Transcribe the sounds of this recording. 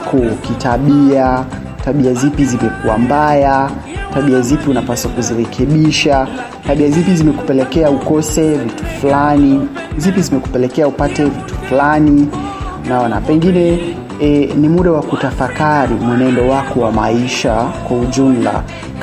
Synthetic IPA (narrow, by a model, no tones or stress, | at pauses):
kʰɔkitaɓia | taɓiazipizimɛkuwa̰mbaja | taɓiazipiunapasakuziɾɛkʰɛɓiʃa | taɓiazipizimɛku̥pɛlɛkɛaukɔsɛvitu̥flani | zipizimɛku̥pɛlɛkɛaupatɛvitu̥flani | naɔna̰pɛŋɡinɛ | nimuɗawakutafakaɾimwɛnɛndɔwakɔwamaiʃakwauʄum̩la̰